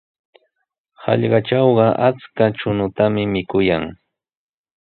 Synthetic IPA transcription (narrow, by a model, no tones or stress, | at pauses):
hɑ̰ʎɢɑt͡ʃɑwɢɑʔat͡skat͡ʃʊnʊt̪amɪmɪkʊjaŋ